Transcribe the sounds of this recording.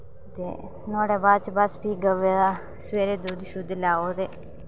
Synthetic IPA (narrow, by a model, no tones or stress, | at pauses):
t̪ḛ | noːɽeːbaːd̪t͡ʃbaspiːɡəʋeːa | sʋeːɾeːd̪uːd̪ʃʊd̪laːoːd̪eː